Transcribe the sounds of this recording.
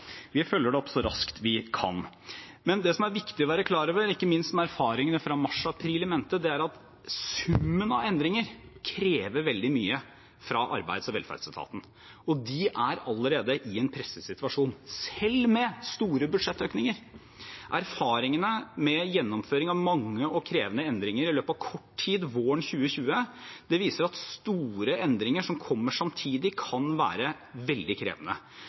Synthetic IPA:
ʋɪfœlːəɖɛɔpsɔɾɑ̰skt̪ʰʋɪkʰɑ̰n | mɛnd̪ɛsɔmæɾʋɪkt̪ɪɔʋæːɾəkʰlɑːɾoːʋəɾɪkːəmɪnst̪mɛæɾfɑːɾɪŋənəfɾɑmɑʂɑpʰɾiːlɪmeːnət̪əd̪ɛæɾɑt̪ | sʉmːənɑʋɛnd̪ɾɪŋəɾkʰɾeːʋəɾʋɛld̪ɪmyːə | fɾɑʔɑ̰ɾbæ̰ɪd̪sɔʋɛlfæ̰ɖsælt̪ʰɑ̰ːt̪n̩ | ɔd̪ɪʔæɾɑlːəɾeːd̪əʔɪɛnpʰɾɛsːəsɪt̪ʉʋɑʂuːnsɛlːmɛst̪uːɾəbʉd̪ʂɛt̪ːøːknɪŋəɾ | ʔæɾfɑːɾɪŋənəmɛjɛnːɔmføːɾɪŋɑʋmɑŋːəʔɔkʰɾeːʋənəɛnd̪ɾɪŋəɾɪløːpɑʋkʰɔʈʰiːd̪ʋoːəɳçʉːəçʉːəd̪̥ɛʋiːsəɾɑt̪st̪uːɾəʔɛnd̪ɾɪŋəʂɔmkʰɔmːəʂɑmt̪ʰiːd̪ɪkʰɑnʋæ̰ːɾə | ʋɛld̪ɪkʰɾḛːʋənə̰

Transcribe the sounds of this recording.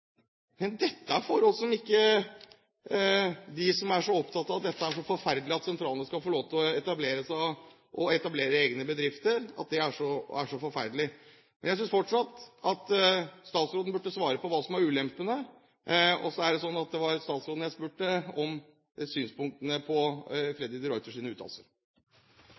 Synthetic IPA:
mɛnd̪ɛt̪ːəæɾfɔɾɔlsɔmɪkːə | d̪ɪsɔmæʂɔɔpt̪ʰɑt̪ɑːʋɑt̪̚d̪ɛt̪ːəæʂɔfɔɾfæɾd̪lɪɑt̪sɛnt̪ʰɾɑːlənəskɑlfɔɭoːt̪ʰəɔɛt̪ɑbleːɾəsæ | ʔɔɛt̪ɑbleːɾəeːɡnəbəd̪ɾɪft̪əɾɑ̰t̪̚d̪ɪæʂɔæ̰ʂɔfɔɾfæ̰ɾd̪lɪ | mɛnjæɪsʏnsfɔʈʂɑt̪ːɑt̪st̪ɑːt̪sɾoːd̪n̩bʉʈːəsʋɑːɾəpɔʋɑːsɔmɑɾʉːlɛmpːənə | ɔ̰sːɔæɖɛsɔnːɑt̪̚d̪ɛʋɑɾst̪ɑːt̪sɾoːd̪n̩jæɪspʉːʈːəɔm | syːnspʊŋk̚t̪ənəpʰɔfɾɛd̪ɾɪd̪əɾɔʏt̪əʂiːnəʉːt̪ʰɑ̰lsə̰ɾ

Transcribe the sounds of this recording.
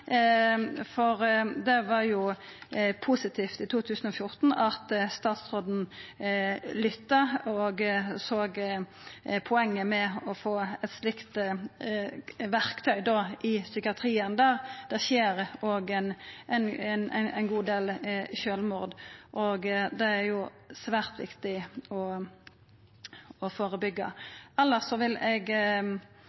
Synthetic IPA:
fɔʁd̪ɛʋɑɾjʊ | pʰusɪt̪ʰiːft̪ɪt̪ʰuːt̪ʰʉːsən̩ɔfjʊʁt̪n̩ɑt̪st̪ɑːt̪sʁoːd̪n̩ | lʏt̪ːɑɔɡsoːɡ | pʰʊɛŋːəmɛɔfoːɛt̪slɪkt̪ | ʋæʁkt̪ʰœʏd̪oːʔɪsʏkɪɑt̪ʰɾiːənd̪æːʁd̪̥ɛʁçeːɾoɡɛnʔɛnnɛnæ̰ɪnɡuːd̪eːlʃøːlmuːʁd̪ʔɔɡd̪ɛæɾjʊ | sʋæːʁt̪ʋɪ̰kt̪ɪɔ | ɔfoːʁəbʏɡːɑ̰ɛlːəsɔʋɪlɛɡ

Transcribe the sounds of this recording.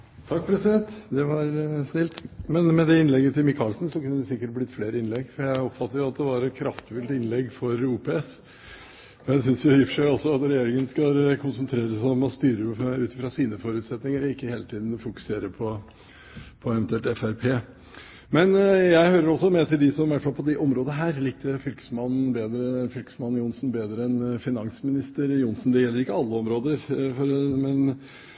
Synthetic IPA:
t̪ʰɑk̚pʰɾɛsɪd̪ɛnt̪d̪ɛʋɑɾsnɪlt̪mɛnmɛd̪ɛɪnlɛɡːət̪ʰɪlmɪkʰɑːlsnsɔkʉnːəd̪ɛsɪkːəʈ̚blɪt̪fleːɾəɪnlɛɡfɔɾjæɪɔpfɑt̪ːəɾjʊɑt̪̚d̪ɛʋɑɾɛt̪̚kʰɾɑft̪fʉlt̪ɪnlɛɡfɔɾuːpɛɛs | ɔæsʏnsjʊɑjɪfːəʂæɪɔsːɔɑt̪ɾɛjeːɾɪŋənskɑlkʰʊnsənt̪ʰɾeːɾəsɔmɔst̪yːɾəʉːt̪ɪfɾɑsiːnəfɔɾʉt̪sɛt̪nɪŋəɾɔɪkːəheːlət̪ʰiːd̪n̩fʊkʉ̥seːɾəpʰɔ | pʰɔɛʋɛnt̪ʰʉɛlt̪ɛfæɾpʰeː | mɛnjæɪhøːɾəɾɔsːɔmɛt̪ʰɪld̪ɪsɔmʋæʈfɑlpʰɔd̪ɛʔɔmɾoːd̪nəɦæːɾliːk̚d̪ɛfʏlkə̥smɑnːn̩beːd̪ɾəfʏlkə̥smɑn̩ːjʊnsn̩beːd̪ɾəɛnfɪnɑŋsmɪnɪst̪əɾjʊnsn̩d̪ɛjɛlːəɾɪkːəɑlːəɔmɾoːd̪əɾfɔɾmɛn

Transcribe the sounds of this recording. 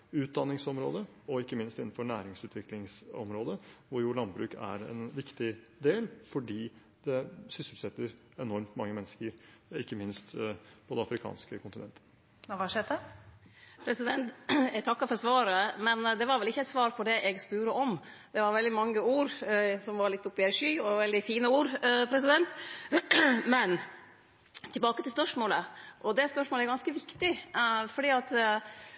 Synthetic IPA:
ʉːt̪̚d̪ɑnːɪŋsɔmɾo̰ːd̪ə | ɔɪkːəmɪnst̪ɪnːn̩fɔɳæːɾɪŋsʉːt̪ʰʋɪklɪŋsɔ̰mɾoːd̪əʋʊɾjuːɭɑnbɾʉːkæ̰ɾɛ̰nʋɪkt̪ɪ | d̪eːlfɔɖiː | d̪̥ɛsʏsəlsɛt̪ːəɾ | ɛnɔɾmt̪mɑŋːəmɛnːəskəɾɪkːəmɪnst̪pʰɔd̪ɛɑfɾɪkʰɑ̰ːnskəkʰʊnt̪ɪnɛ̰nt̪ə̥ | ʋɑʂed̪ɛ | pʰɾɛsɪd̪ɛnt̪æt̪ʰɑkːɑfɔɾsʋɑːɾəmɛnd̪ɛʋɑɾʋɛlɪçːəɛɪt̪sʋɑːɾpʰɔɖ̪ɛʔɛɡspʉːɾəʔɔmd̪̥ɛʋɑɾʋɛld̪ɪmɑŋːəuːɾsɔmʋɑɾɭɪt̪ːʊpːɪæʂyːɔʋɛld̪ɪfiːnəuːɾpʰɾɛsɪd̪ɛnt̪ | mɛn | t̪ʰɪbɑːkət̪ɪlspœʂmoːləʔɔd̪ɛspœʂmoːləæɾɡɑnskəʋɪkt̪ɪfɔɖiːɑt̪

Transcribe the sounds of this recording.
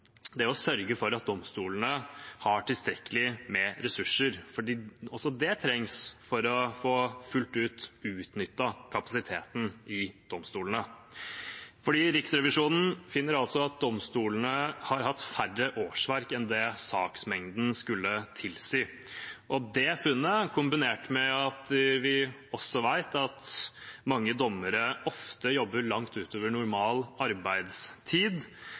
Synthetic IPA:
d̪ɛæɔsœɾɡəfɔɾɑt̪̚d̪ɔmst̪uːlənəhɑʈɪlst̪ɾɛkːəlɪmɛɾɛsʉʂːəɾfɔɖiːɔsɔd̪ɛt̪ʰɾɛŋsfɔɾɔfoːfʉlt̪ʉːt̪ʉːt̪nʏt̪ːɑkʰɑpɑsɪt̪ʰeːt̪n̩ɪd̪̥ɔmst̪uːlənə | fɔɖiːɾɪksɾɛʋɪʂuːnn̩fɪnːəɾɑlt̪sɔɑt̪̚d̪ɔmst̪uːlənəhɑɾɦɑt̪færːəʔoːʂʋæɾkɛnd̪ɛsɑːksmɛŋd̪n̩skʉlːət̪ʰɪlsiː | ʔɔd̪ɛfʉnːəkʰʊmbɪneːʈmɛɑt̪ʋɪ | ɔsːɔʋæɪt̪ɑt̪mɑŋːəd̪ɔmːəɾəɔft̪əjɔbːəɭɑŋt̪ʉːt̪ʰoːʋəɳʊɾmɑːlɑɾbæɪd̪st̪ʰiːd̪

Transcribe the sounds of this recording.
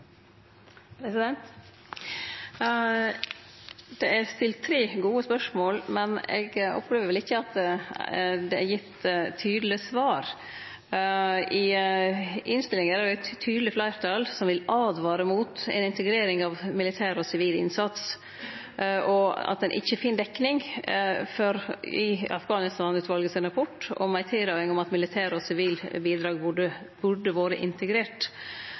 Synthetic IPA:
pɾɛsɪd̪ɛnt̪ | d̪̥ɛʔæɾst̪ɪlt̪t̪ʰːɾeːɡuːəspœʂmoːlmɛnɛ̰ɡɔ̰pʰːleːʋəɾʋɛlɪçːəɑt̪ | d̪ɛæɾjɪt̪ːt̪ʰyːd̪l̩ɪsʋɑːɾ | ɪ | ʔɪnst̪ɪlɪŋəɾæɖɪɛt̪t̪ʰːyːd̪l̩ɪflæɪɾt̪ʰɑlsɔmʋɪlɑːd̪ʋɑːɾəmuːt̪ɛ̰nɪnt̪əɡɾeːɾɪŋɑʋmɪlɪt̪ʰæːɾɔsɪʋiːlɪ̰nsɑt̪s | ʔɔɑ̰t̪̚d̪ɛnʔɪ̰çːəfɪnd̪ɛkːnɪŋ | fɔɾɪɑ̰fɡɑːnɪst̪ɑːnʉːt̪ʋɑlɡəsɪnɾɑpʰɔʈːɔ̰mæɪt̪ʰɪld̪œʏɪŋɔmɑt̪mɪlɪt̪ʰæːɾɔsɪʋiːlbiːd̪ɾɑːɡɖə | bʉɖəʋoːɾəʔɪnt̪əɡɾeːʈ

